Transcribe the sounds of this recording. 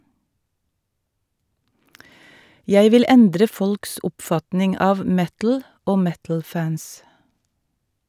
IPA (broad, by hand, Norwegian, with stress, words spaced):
ˈjæɪ ˈʋɪl ˈɛndɾə ˈfɔlks ˈʊpfɑtnɪŋ ˈɑːʋ ˈmɛtl̩ ˈoː ˈmɛtl̩ ˈfæns